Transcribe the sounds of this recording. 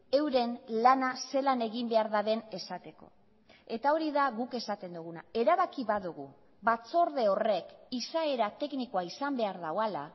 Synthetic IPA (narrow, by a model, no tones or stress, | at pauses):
e̞wɾe̞nlanase̞lane̞ɣimbe̞aɾðaðe̞ne̞sat̪e̞ko̞̰ | e̞t̪ao̞ɾiðaɣuke̞sat̪e̞nd̪uɣ̞unae̞ɾaβakiβaðuɣ̞u | βat͡so̞ɾðe̞o̞re̞kisae̞ɾat̪e̞knikoaisambe̞aɾðawala̰